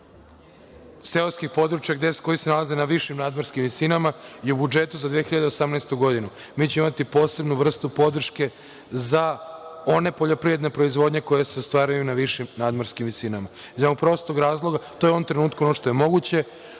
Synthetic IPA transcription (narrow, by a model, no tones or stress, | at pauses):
se̞oskixpo̞d̪ɾut͡ʃjaɡd̪esko̞jisenalazenaʋiʃimnaːd̪moɾskimʋisinamajeubud͡ʒe̞t̪uzad̪ʋiexiʎad̪eosamnɛjst̪uɡo̞d̪inu | miːt͡ɕemimat̪ipo̞ːse̞bnuʋr̩st̪upo̞d̪r̩ʃke̞ | zao̞ne̞poʎo̞pɾiʋɾed̪ne̞pɾo̞izʋo̞d̪ɲe̞ko̞jeseost̪ʋaːɾajunaʋiʃimnaːd̪maɾskimʋisinama | izaupɾo̞st̪oɡɾaːzlˠo̞ɡat̪ojeoʋomt̪ɾe̞nuːt̪kuonoʃt̪ojemo̞ɡut͡ɕe̞